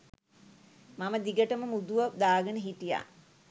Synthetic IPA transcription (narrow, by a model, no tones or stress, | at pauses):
maməd̪iɡəʈəməmud̪uʋəd̪aːɡənəɦiʈija̰